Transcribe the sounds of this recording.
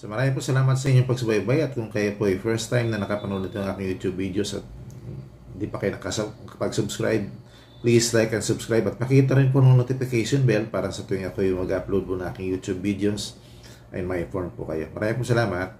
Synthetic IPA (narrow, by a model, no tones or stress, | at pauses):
somɐɾaːmɪŋp̬osɐlaːmɐt̪̚sɐʔɪɲoŋpɐɡsɐbajbajɐt̪̚kʊŋkɐjopoʔɐjfɛɹst̪ajmnɐnɐkɐpɐnulɐt̪ːoɐŋʔaːkɪŋjuːt̪jubːid̪eosɐ̰t̪̚ | nd̪ipɐkɐjonɐkɐsɐkɐpɐɡsʊbskɾa̰jb̚ | plislajkɛnsʊbskɾajbɐt̪̚pɐkiːt̪̬ɐɾɪnp̬onɐmɐnot̪ɪfɪkajʃonbɛlpaːɾɐŋsɐt̪oɪŋɐkojʊŋmɐɡʔaplowd̪̚ponɐŋʔa̰ːkɪŋjuːt̪ubːid̪ɛos | ʔɐ̰jmɐʔɪnfoɹnpʊ̰kɐjo̞̰mɐɾʔaːmɪ̃mpusɐlaːmɐt̪̚